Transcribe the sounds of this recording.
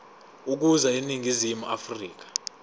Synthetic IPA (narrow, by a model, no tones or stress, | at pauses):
uk̬uzainiŋʱizimuʔafriːk̬ḁ